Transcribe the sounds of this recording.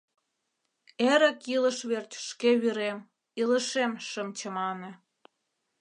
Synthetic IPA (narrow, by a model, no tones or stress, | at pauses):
eɾə̆kilə̆ʃβert͡ɕʲʃkeβyɾem | iləʃemʃəmt͡ɕə̆mɑnĕ